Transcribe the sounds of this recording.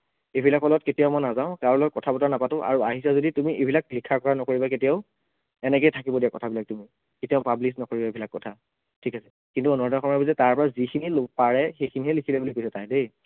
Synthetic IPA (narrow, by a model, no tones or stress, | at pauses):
ebʱilakːɔlɔtketijaʊmɔjnazaʊ̃kaɹɔlɔjkɔtʰabɔtanapatʊ̃ʔa̰ɹua̰ɦisazoditumiʔebʱilak̚bikʰːakɔɹanɔkoɹibaketijaʊ | ɛnɛkɛjtʰakibɔdijakɔtʰabilak̚tumi | ketijaʊpablisnɔkoɹibaebʱilakːɔtʰa | tʰikasɛ̥ | kintuɔnɔɹdaxɔmaɹbizɛtaɹpɔɹazikʰinilopaɹɛxekʰiniɦɛlikʰilebulikojsatajde